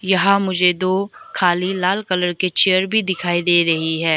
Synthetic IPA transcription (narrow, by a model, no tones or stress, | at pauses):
jɐɦãmʊd͡ʒʱed̪oːkʰaːlilaːlkɐləɾket͡ʃejəɾbʱid̪ɪkʰaːid̪eːɾɐɦiɦɛː